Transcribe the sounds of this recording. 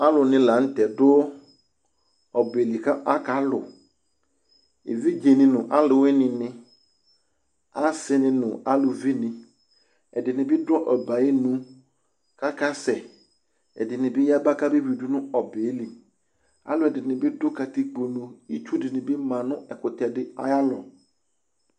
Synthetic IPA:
a˦lʊ˨nɪ̃˨la˨˦n̩˦tɛ˨dʊ˦ | ɔ˨be˨li˨ka˦ʔa˦ka˨˦lʊ̰˨ | ḛ˨vi˦d͡ʒe˨nɪ̃˨nʊ̃˨ʔa˦lʊ˨wɪ˦nɪ̃˨nɪ̃˦ | a˦sɪ˦nɪ̃˨nʊ̃˨a˦lʊ˨vɪ˦nɪ̃˨ | ɛ˨dɪ˨nɪ̃˨bɪ˦dɔ˦ʔɔ˨ba˨jɪ˦nũ˦ | ka˦ka˦sɛ˨ | ɛ̰˨dɪ˨nɪ̃˨bɪ˦ja˦ba˦ka˦bɪ˦wi˨du˦nʊ̃˦ɔ˨be˨˦li˨ | a̰˦lʊ˨ɛ˨dɪ˨nɪ̃˨bɪ˦dʊ˦ka˨t̪i˦ɡ͡bo˨nũ˨i˦t͡ʃu˦dɪ˨nɪ̃˨bɪ˦mã˨nʊ̃˦ɛ˨kʊ˨t̪ɛ˨dɪ˦a̰˦ja˦lɔ̰˨

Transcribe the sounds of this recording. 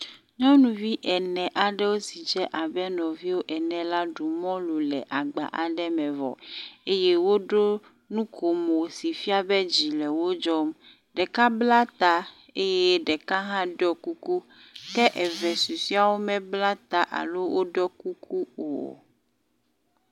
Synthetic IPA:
ɲɔ̃˦nũ˨vi˦ʔɛ˨nɛ̃˨ʔa˨ɖɛ˦wo˦si˨d͡ʒɛ˦ʔa˨bɛ˦nɔ̃˨vi˦wo˦ʔɛ˨nɛ̃˨la˦ɖu˨mɔ̃˦lu˨lɛ̰˨ʔa˨ɡ͡ba̰˨ʔa˨ɖɛ˦mɛ̃˨vɔ̰˨e˦je˦wo˦ɖo˦ | nũ˦kʰo˨mo˨si˨fi˦a˦bɛ˦d͡ʑi˨lɛ˨wo˦d͡ʒɔ˦m | ɖɛ˨ka˦bla˦t̪a˦ | e˦jɛ˦ɖɛ˨ka˦ɦã˦ɖɔ˦ku˦ku˦ | kɛ˦ʔɛ˨vɛ˨su˨si˦a˦wo˦mɛ̃˦bla˦t̪a˦ʔa̰˨lo˦wo˦ɖɔ˦ku˦kʰu˦o̰˨

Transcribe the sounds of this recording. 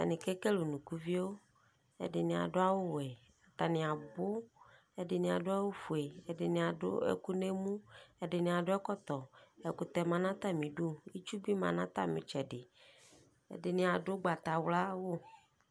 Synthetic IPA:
t̪a̰˨nĩ˨ke˦ke˦lo˨nũ˨ku˦vi˦wo˦ | ḛ˦ɖɪ˨nĩ˨a̰˨ɖo˦a˦wo˦wɛ˨ | a˨t̪a˨nĩ˨a˨bo˦ | e˦ɖɪ˨nĩ˨a̰˨ɖo˦a˦wo˦fu˨e˨e˦de˨nĩ˨a˨ɖo̰˦ḛ˦˨ku˦ne˦mũ˦e˦ɖe˨nĩ˨a˨ɖo˦ɛ˦kɔ˦t̪ɔ˨e˨ku˨t̪ɛ˨mã˨nã˦t̪a˦mĩ˨ɖu˦ji˦t͡ʃu˦bi˦mã̰˨nã˦t̪a̰˦˨mḛ̃˨t͡ʃɛ˨ɖɪ˨ | ḛ˦de˨nĩ˨a˨ɖo˦ɡ͡ba˨t̪a˨wla˦wo˦

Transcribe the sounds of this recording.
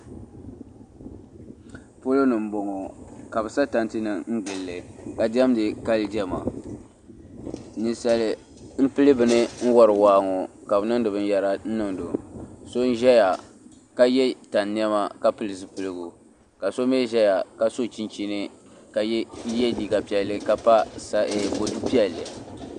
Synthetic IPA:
po˦lo˦nɨ˨m̩˦bo˨ŋɔ˨ka˨bɨ˨sa˦ta˦ntɨ˦nɨ˨ŋ̩˦ɡɨ˨lːɨ˨ka˨dɛ˦m˦dɨ˨ka˦ldi˦ɛ˦ma˨ | ni˦sa˦lɨ˦ | m̩˦pɨ˦lɨ˦bɨ˨nɨ˦n̩˦wɔ˦ɾɨ˨waː˦ŋɔ˨ka˨bɨ˨nɨ˦ŋdɨ˨bɨ˦n˦ja˨ɾa˦n̩˦nɨ˦˨ŋdo˨so˦n˦ʒɛ˦ja˨ | ka˦jɛ˦ta˨nːi˦ɛ˦ma˦ka˦pɨ˦lɨ˨zɨ˦pɨ˨lɨ˦ɡu˨ | ka˨so˦me˦ʒɛ˦ja˨ka˨so˦t͡ʃi˦nt͡ʃi˦nɨ˦ | ka˨jɛ˦jɛ˦diː˨ɡa˨pi˦˨ɛ˨lːɨ˦ka˨pa˦sa˦ɛ˨bo˨du˦pi˦ɛ˨lːɨ˨

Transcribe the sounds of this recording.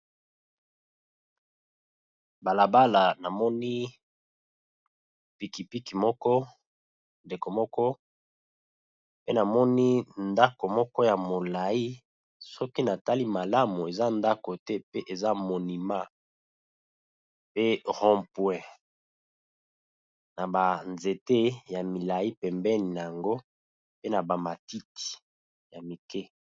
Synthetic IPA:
ba˨la˨ba˦la˨na˨mɔ˦ni˦ | pi˨ki˨pi˦ki˨mɔ˦kɔ˦ | nde˨ko˨mɔ˦kɔ˦ | pe˦na˨mɔ˦ni˦nda˦ko˨mɔ˦kɔ˦ja˨mo˨la˨i˦ | sɔ˦ki˦na˨ta˦li˦ma˨la˦mu˨e˨za˦nda˦ko˨tɛ˦pe˦ʔe˨za˦mo˨ni˨ma˦ | pe˦ʁɔ̃˦mpwɛ˨ | na˨ba˨nze˨te˦ja˨mi˨la˨i˦pɛ˨mbɛ˦ni˨na˨ja˨ŋɡo˦ | pe˦na˨ba˨ma˨ti˦ti̥˨ | ja˨mi˨kɛ˦

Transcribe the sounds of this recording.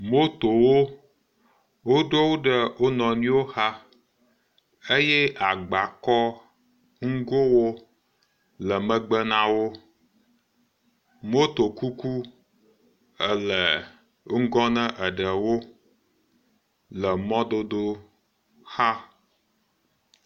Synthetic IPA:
mo˦t̪o˨wo˦ | wo˦ɖo˦wo˦ɖə˦wo˦nɔ̃˨nĩ˦wo˦ha˦ | e˦jɛ˦ʔa˨ɡ͡ba˨kɔ˦ | ŋ̩˦ɡo˦wo˦ | lə˨mə̃˦ɡ͡bə˦nã˦wo˦ | m˦o˦t̪o˨ku˦ku˦ | ə˨lə˨˦ | ŋ̩˦ɡɔ˦nə̃˦ʔə˨ɖə˨wo˦ | lə˨mɔ̃˦d̪o˦d̪o˦ | ha˦

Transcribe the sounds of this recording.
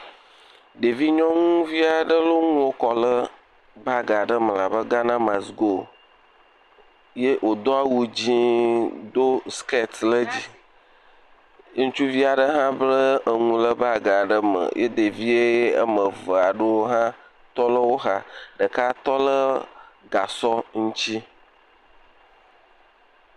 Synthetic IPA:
ɖe˨vi˦ɲɔ̃˦ŋũ˦vi˦a˨ɖə˦lo˦ŋũ˦wo˦kɔ˨lə˦ | ba˦ɡa˨ɖə˦mə˨la˨bə˦ɡa˦nã˦ma˨sɡo˨ | je˦ʔwʔo˨d̪o˦a˦wu˦d͡ʑi˦d̪o˦ske˦t̪lə˦d͡ʑi˦ | ŋũ˦t͡ʃu˦vi˦a˨ɖə˦ɦã˦blə˦ə˨ŋũ˦lə˦ba˦ɡa˨ɖə˦mə̰˨jʔḛ˦d̪e˨vi˦e˦ə̰˦mə̃˨və˨a˨ɖə˦wo˦ɦã˦ | t̪ɔ˦lə˦wo˦ɦa˦ɖə˨ka˦t̪ɔ˦lə˦ɡa˨sɔ˦ŋũ˦t͡ɕi˦

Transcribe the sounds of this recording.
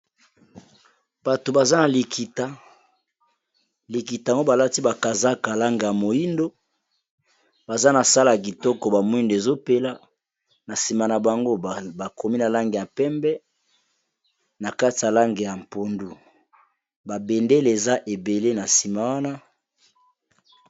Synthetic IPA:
b̥a˨to˨ba˨za˦na˨li˨kʰi˨ta˦ | li˨ki˨ta˨ŋɡo˦ba˨la˦ti˦ba˨ka˨za˦ka˨la˦ŋɡe˨ja˨mo˨ji˦ndo˦ | ba˨za˦na˨sa˦la˨ɡi˨tɔ˦kɔ˨ba˨mo˨˦i˦nde˨zo˦pe˦la˦ | na˨si˨ma˨na˨ba˨ŋɡo˦˨ba˨ko˨mi˦na˨la˦ŋɡe˨ja˨pɛ˦mbɛ˦ | na˨ka˦ti˨ja˨la˦ŋɡe˨ja˨mpo˨ndu˨ | ba˨be˨nde˦le˨e˨za˦ʔe˨be˨le˦na˨si˨ma˨wa˦na˦

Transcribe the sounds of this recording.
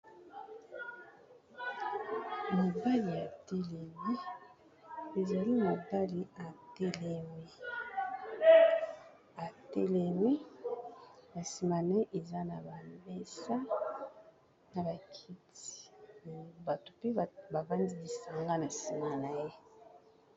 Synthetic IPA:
mo˨ba˦li˨ja˨te˦le˨vi˦ | e˨za˨li˦mo˨ba˦li˨a˨tɛ˦lɛ˦˨mi˦ | a˨tɛ˦lɛ˨mi˦ | na˨si˨ma˨na˨˦e˦ʔe˨za˦na˨ba˨mbe˦sa˦ | na˨ba˨kʰi˦ti̥˨ | ba˨to̥˨pe˦ba˨va˦ndi˦li˨sa˨ŋɡa˦na˨si˨ma˨na˨je˦

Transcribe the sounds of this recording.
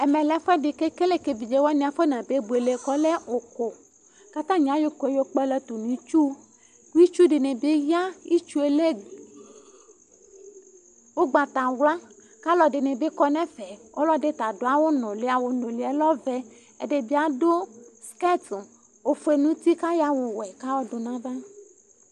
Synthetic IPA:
e˨mẽ˨lɛ˦fɛ˦ɖe˨ke˦ke˦le˦ke˨vi˨d͡ʒe˦wa˦nĩ˨a˨fe˦nã˨be˦bu˨e˨le˨kɔ˦le˦o˨ko˨ | ka˦t̪ã˦ɲ˨ã˦jo˦ko˨e˦jo˦k͡pɛ˦lɛ˦t̪o˨nĩ˨˦t͡ʃu˦ | ku˦i˦t͡ʃu˦ɖe˨nẽ˨be˦ja˦i˦t͡ʃu˦e˨le˦ | wo˦ɡ͡ba˨t̪a˨wla˦ | ka˦lɔ˨ɖe˨nẽ˨be˦kɔ˦nɛ̃˦fɛ˨wo˦lɔ˦ɖe˦t̪a˨do˨˦a˦wo˦nɔ̃˨le˦a˨wo˨nõ˨li˨ɛ˦lɔ˦vɛ˦ | e˨ɖe˨bi˦a˨do˦ske˦t̪ | o˨fo˦e˨nũ˦t̪i˦ka˦ja˦wo˨wɛ˨ka˦wɔ˦do˨nã˦ba˦

